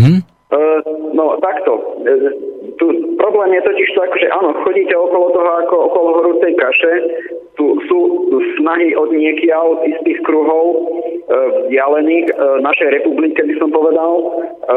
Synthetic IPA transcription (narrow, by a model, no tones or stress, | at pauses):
nɔt̪akt̪ɔ | t̪upɾɔblɛːmjɛt̪ɔciʃt̪uakɔʒɛʔaːnɔxɔɟiːcɛɔkɔlɔt̪ɔɦɔakɔɔkɔlɔɦɔɾut͡sɛjkaʃɛt̪usuːsnaɦiʔɔd̪ɲɪɛkɪaʊist̪iːxkɾuɦɔʊ | vzdɪalɛniːxnaʃɛjɾɛpublikɛbisɔmpɔʋɛd̪al